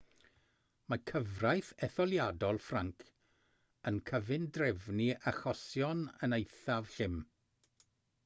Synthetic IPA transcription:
makʰəvrajθɛθɔlˠjadɔlˠfraŋkʰ | ənkʰəvɪndrɛvniaχɔsjɔnənejθav̥ɬɪm

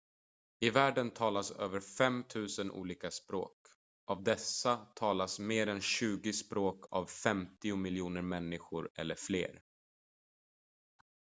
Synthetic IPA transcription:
ɪvæːɖənt̪ʰɑːlasøːvəɾfɛmt̪ʰʉ̟ːsənʔṵːliːkaspɾo̰ːk | ʔavd̪ɛsat̪ʰɑːlasmeːɾɛnɕʉ̟ːɡɪspɾoːkʰa̰vfɛmt̪ɪʊmɪljuːnəɾmɛnːɪɧʊɾɛ̰lːəɾflḛːɾ

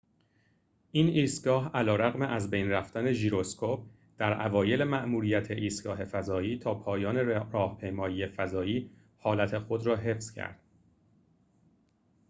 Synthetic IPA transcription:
ʔiːniːst̪ɡɒːɦælɒːɾæɣmeʔæzbejnræft̪æne̞ʒiːɾo̞skʰop̚ | d̪̥æɾʔævɒːje̞lemæʔmuːɾiːjæt̪ʰeʔiːst̪̚ɡ̥ɒːɦe̞fæzɒːiːt̪ʰɒːpʰɒːjɒːne̞ɾɒːhpʰe̞jmɒːjiːjefæzɒːiː | hɒːlæt̪ʰe̞xod̪ɾɒːɦe̞fz̥cʰæ̰ɾd̪̥

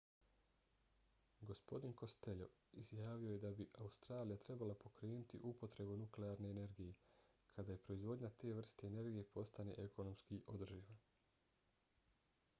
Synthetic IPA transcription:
ɡo̞spo̞d̪inko̞st̪e̞ʎo̞̰izjaːʋio̞je̞d̪abiʔaust̪ɾaːlijat̪ɾe̞balapo̞kɾe̞ːnut̪ḭʔupo̞t̪ɾe̞bunukleaɾne̞ːne̞ɾɡije̞ | kʰad̪aje̞pɾo̞izʋo̞d̪ɲat̪e̞ːʋr̩st̪eːne̞ɾɡije̞pʰo̞st̪ane̞ʔeko̞no̞mskiʔo̞d̪r̩ʒiʋa

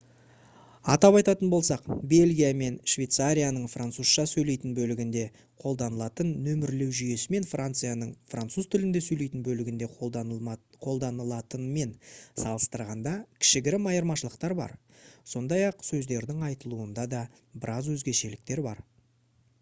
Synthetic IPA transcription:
ɑt̪ɑpɑjt̪ɑt̪ənbo̞lˠsɑqbe̞lʲɡʲijame̞nʃvʲe̞jt̪saɾʲijanəɴfrant̪suzʃɑsɵjle̞jt̪ɪnbɵlɪɡʲɪnd̪e̞ | qʰo̞lˠd̪ɑnəlˠɑt̪ənːɵmɪɾle̞wʒʏje̞sɪme̞nfrant̪sɨjanəɴfrant̪suz̥t̪ʰɪlɪnd̪e̞sɵjle̞jt̪ɪnbɵlɪɡʲɪnd̪e̞ | qʰo̞lˠd̪ɑnəlˠɑt̪ənme̞nsɑlˠəst̪əɾʁɑnd̪ɑkʲʰɪ̥ʃɪɡʲɪɾɪmɑjəɾmɑʃəlˠəqt̪ɑɾbɑ̰ɾ | so̞nd̪ɑjɑqsɵzd̪e̞ɾd̪ɪŋɑjt̪əlˠuənd̪ɑd̪ɑ | bɪɾʔɑzwɵzɡʲe̞ʃe̞lɪk̚t̪e̞ɾbɑ̰ɾ

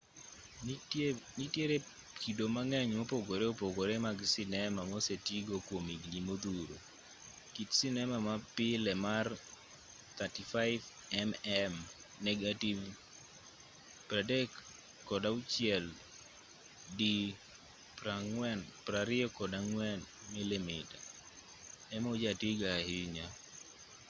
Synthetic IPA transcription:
nitjeɾe | kidomaŋɛɲmopoɡoɾeopoɡoɾemaɡsɪnɛmamosetiɡokwomiɡɲimod̪uɾo̰ | kitsɪnɛmamapɪlɛmar | t̪atifaɪv | ɛmɛm | nɛɡativ | pɾadɛkː | ɔdaʊt͡ʃjɛl | di | pɾaŋwɛnpɾaɾɪɔkɔdaŋwɛn | mɪlɛmɪda | ɛmod͡ʒatiɡahɪɲa

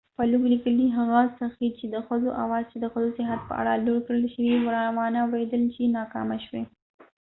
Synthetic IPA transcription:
paluɡlikəld̪iɦaɣɑzt̪axit͡ʃed̪əxəzoʔa̰wɑzt͡ʃed̪əxəzosɪɦat̪̚pə̰ʔa̰ɽaloɽkɽəlʃəwiwɽɑmɑnawɽed̪əlt͡ʃenɑkɑ̰maʃwe

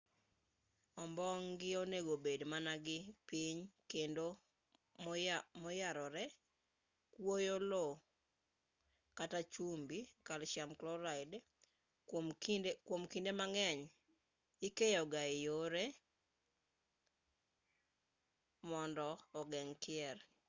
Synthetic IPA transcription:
ɔmbɔŋɡɪoneɡobedmanaɡɪpiɲkendo | mmɔjaɾɔɾɛ | kwojolo | katat͡ʃumbikalʃamklɔɾaɪd | kmindekwomkindemaŋɛɲ | ikejɔɡaijoɾe | mɔndɔːɡɛŋkɪɛr

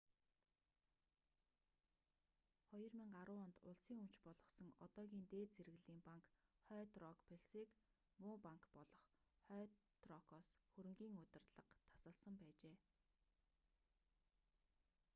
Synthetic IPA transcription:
χɔjɞ̆rmiŋɢaɾʊːɔnt̪ʊɮsiːŋɵm̥t͡ɕpɔɮʁɞ̆sɞ̆ŋɔt̪ɔːɣʲiːnt̪eːt͡seɾɘ̆ɮiːmpaŋkχœːt̪rɔkpʰeɮsiːk | mʊːpaŋkpɔɮɞ̆χχœːt̪rɔkʰɔsxɵɾɘ̆ŋɡʲiːŋɵt̪ɪ̆rɮə̆qt̪ʰːḁsə̆ɮsə̆mpæːt͡ɕeː

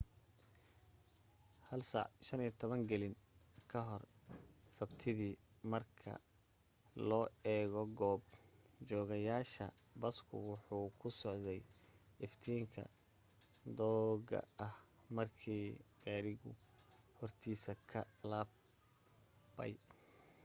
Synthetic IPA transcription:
hɐlsɑ̰ʕʃɐniːt̪ʰɔβɐŋɡɛlɪnkʰɐɦɔrsɐbt̪ʰɪðiːmɐrkʰɐ̰ | lɔːɛːɣɔɡɔːbd͡ʒɔːɣɐjaːʃɐ̰ | bɐskʰʊ̰wʊħuːkʰʊsɔʕðɛjɪft̪ʰiːŋkʰɐ̰ | d̪ɔːɡɐ̰ɐh | mɐrkʰiːɡ̥aːɾɪɣʊ̰ | hɔrt̪ʰiːsɐkʰɐlaːb | bɐ̰j

